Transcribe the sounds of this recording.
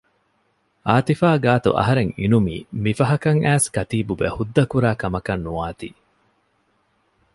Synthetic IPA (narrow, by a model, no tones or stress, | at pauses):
aːt̪ifaːɡaːt̪ṵʔɐ̰ɦɐɾeŋḭnumḭːmifɐɦɐkɐŋʔæːskɐt̪iːbubḛhud̪ːɐkuɾaːkɐmɐkɐnːuaːt̪ḭː